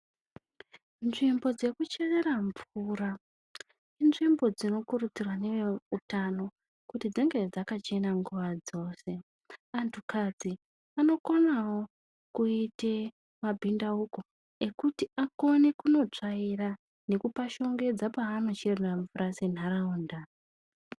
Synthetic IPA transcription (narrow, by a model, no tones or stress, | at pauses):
nʐimbo̞d͡ze̞kut͡ʃe̞re̞raɱvura | inʐimbo̞d͡zino̞kurut͡sirwane̞eutano̞ | kutid͡ziŋɡe̞d͡zakat͡ʃe̞naŋɡuʋad͡zo̞ːse̞ | antʰukad͡zi | ano̞konawo̞ | kuite̞ | mabʱindauko̞ | e̞kutiako̞nekuno̞t͡ʂaira | ne̞kupaʃo̞ŋɡe̞d͡zapaːno̞t͡ʃereraɱvurase̞n̤ɦaɾauːnda